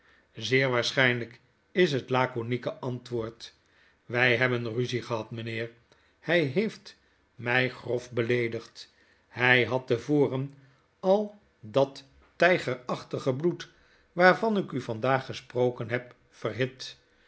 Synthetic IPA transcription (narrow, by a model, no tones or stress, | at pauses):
zɪːɹʋaːɹsχɛjnlək | ɪs̬ɦətlaːkonikəʔɑntʋʊːɹt | ʋɛjɦɛbənryziχəɦɑtmənɪːɹ | hɛjɦejft | mɛjχrɔfbəlejdəχt | hɛjɦɑtəvoːrən | ɑlˠ | dɑtː | ɛjχəɹɑχtəχəblut | ʋaːɹvɑnɪkyvɑndaːχːəsprowkənɦɛp | fərɦɪt